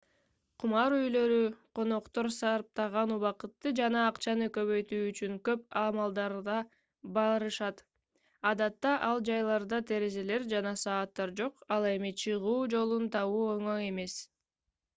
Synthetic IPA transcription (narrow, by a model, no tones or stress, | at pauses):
qʰumɑɾyjlø̞ɾyqʰo̞no̞qt̪o̞ɾsɑɾp̚t̪ɑʁɑnuβɑqɯt̪ːɯd͡ʒɑnɑːqt͡ʃɑnɯkø̞βø̞jt̪yːt͡ʃyŋkø̞pɑmɑlˠd̪ɑɾd̪ɑ | bɑɾɯʃɑt̪ | ɑd̪ɑt̪ːɑʔɑlˠd͡ʒɑjlˠɑɾd̪ɑt̪ʰe̞ɾe̞ze̞le̞ɾd͡ʒɑnɑsɑːt̪ːɑɾd͡ʒo̞qɑlˠe̞mit͡ʃʰɯʁuːd͡ʒo̞lˠunt̪ʰɑβuːøŋøŋe̞me̞s